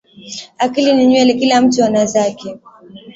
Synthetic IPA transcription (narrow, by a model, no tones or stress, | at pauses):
akiliniɲwɛlikilam̩tuanazakɛ